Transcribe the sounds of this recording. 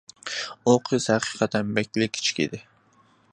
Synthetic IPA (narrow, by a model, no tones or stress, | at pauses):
oqʰɨzhæqʰɨ̥qʰɑt̪ʰɛnbɛkʲlɪkʲʰːi̥t͡ʃʰi̥kʲḭd̪ɪ